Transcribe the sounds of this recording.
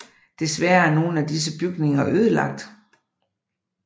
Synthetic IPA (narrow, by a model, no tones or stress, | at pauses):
d̥e̝sʋæːɐæɐno̝ːn̩æd̥is̬əb̥yɡ̥ne̝ŋɐʔøːð̞ˠəlɑ̈ɡ̥̚d̥